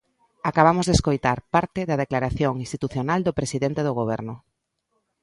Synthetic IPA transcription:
akaβ̞amʊzðeskojt̪aɾpaɾt̪ɪðɐðeklaɾaθjoŋĩnst̪it̪uθjonald̪opɾesiðent̪eðʊɣoβɛɾnʊ

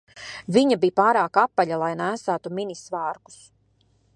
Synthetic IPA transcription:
viɲabijpaːɾaːkapːalʎalˠajnæːsæːt̪uminisvɑːɾku̥s

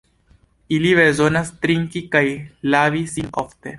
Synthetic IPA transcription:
iliβezonast̪ɾiŋkikajlavisinoft̪e

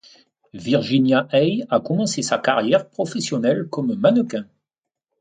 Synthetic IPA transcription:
viʁʒinjaʔɛjakɔmɑ̃sesakaʁjɛʁpχɔfɛsjɔnɛlkɔmmanəkɛ̃

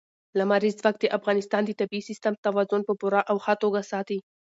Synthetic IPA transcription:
lamaɾizzwakt̪əʔafɣɑnɪst̪ɑnd̪ət̪abiisɪst̪amt̪awɑzʊnpəpuɾaʔawxat̪oɡasɑt̪i

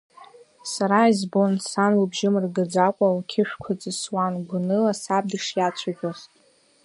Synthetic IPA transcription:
saɾaizbonsanwabʒɪmɨrɡad͡zakʷʼawkʲʰɪʃᶣkʷʰat͡sʼɨswanɡʷʊnɨlasab̚dɨʂjat͡ɕʷʰaʒʲʷᶣaztʼ

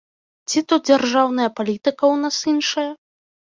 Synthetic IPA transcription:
t͡sʲit̪ud̪̚d͡zʲarʐawnɐjɐpalʲit̪ɨkɐwnasinʂɐjɐ

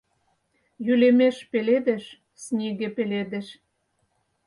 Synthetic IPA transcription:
jylemeʃpeled̪eʃ | snʲeɣepeled̪ĕʃ

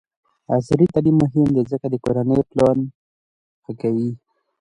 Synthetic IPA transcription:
asɾit̪alimːʊɦɪmd̪ezəkad̪əkoɾanəjoplɑn | xəkawi

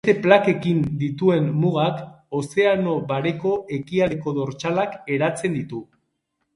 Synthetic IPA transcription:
t̪e̞plake̞kind̪it̪ue̞mmuɣak | o̞se̞ano̞βaɾe̞ko̞ʔe̞kiaɾeko̞ðo̞ɾt͡ʃalake̞ɾat͡se̞nd̪it̪u

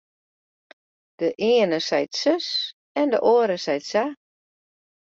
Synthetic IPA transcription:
d̥əʔɪənəsɛjtsøs | ɛndəʔoəɾəsɛjtsa

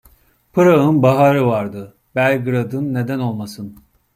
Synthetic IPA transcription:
pʰɯɾaɯnbaɦaɾɯvaɾd̪ɯ | bælʲɡɯɾad̪ɯnːe̞d̪æno̞lˠmasɯn

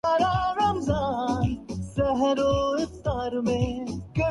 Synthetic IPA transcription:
ɐɾaɾɐmzaːnsɐɦɾoɪkt̪aːɾmẽkɐ

